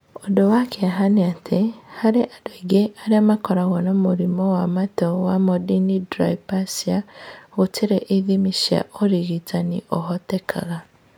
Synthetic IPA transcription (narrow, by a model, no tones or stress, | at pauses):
odowakʰeaɦaneatʰehaɾeʔadoiɡeʔaɾeamakɔɾaɣɔnamuɾimowamatɔwamɔdinidɾa̰ipasiaɣotʰiɾeʔiðimiʃa̰ʔoɾiɣitaniʔoɦɔtekʰa̰ɣa